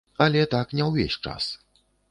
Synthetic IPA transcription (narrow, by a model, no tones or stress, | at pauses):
alʲɛt̪akɲʲawvʲɛɕʲt͡ʂa̰s